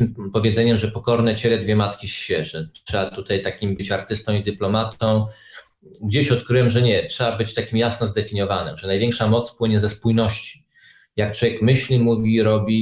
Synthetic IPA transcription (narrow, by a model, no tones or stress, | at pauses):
mpɔvʲjɛd̪zɛɲɛmʐɛpɔkɔɾnɛt͡ɕɛlɛd̪vʲjɛmat̪kʲiɕːɛʐɛʂɛat̪ut̪ajt̪akʲimbɘt͡ɕaɾt̪ɘst̪ɔ̃w̃id̪ɘplɔmat̪ɔ̃w̃ | ɡd͡ʑeɕɔt̪kɾɘwɛmʐɛɲɛtʂɛabɘt͡ɕt̪akʲimjasnɔzd̪ɛfʲiɲɔvanɘ̰mʐɛnajvʲjɛŋkʂamɔt̪spwɘɲɛzɛspujnɔɕt͡ɕi̥ | jak̚twɔvjɛkmɘɕlʲimuvʲiɾɔbʲi